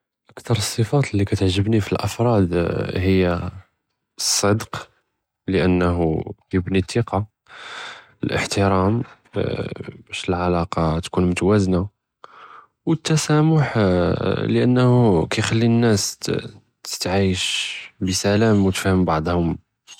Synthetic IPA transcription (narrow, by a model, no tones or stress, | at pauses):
ʔəkt̪ɑɾˤəsˤːəfɑt̪əlːikæt̪əʕʒəbnifilʔɑfɾˤɑd̪həjːæ | sˤːəd̪q | ləʔənːɦujəbnit̪ːiqɑ | əlʔə̰ħt̪əɾɑm | bæʃəlʕalɑqɑt̪kunmʊt̪wæzna | wət̪ːæsæmʊħ | ləʔə̰nːhukæjxælːinːæs | t̪ə̥t̪ʕiʃbəsælæmwət̪fæhəmbɑʕd̪ˤhʊm